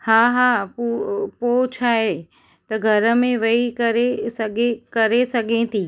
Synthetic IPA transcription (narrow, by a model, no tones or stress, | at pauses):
haːɦaːpupot͡ɕʰaːɦe | t̪ɐɡʱɐɾə̆mẽʋɐikɐɾesɐɡekɐɾesɐɡʱẽːt̪ʰiː